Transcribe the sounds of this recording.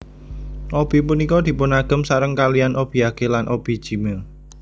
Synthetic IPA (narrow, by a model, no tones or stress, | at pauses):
ʔob̥i̤punikɔd̪̥i̤pʊnaɡ̥ə̤msaɾəŋkalianʔob̥i̤aɡ̥elanʔob̥i̤̥ʒ̥i̤mel